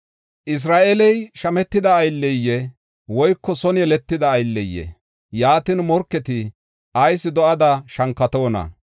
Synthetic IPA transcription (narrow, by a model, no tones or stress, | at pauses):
ʔɪs̬ɾaːʔɛlɛjʃɐmɛt̪ːɪd̪ɐːjlːɛjːɛ | wɔjkːɔsɔnjɛlɛt̪ːɪd̪ɐːjlːɛjːɛ̰ | jaːt̪ɪnmɔɾkːɛt̪ɪ | ʔɐjsːɪd̪ɔʔɐd̪ɐʃɐŋkːɐt̪oːnɐ̰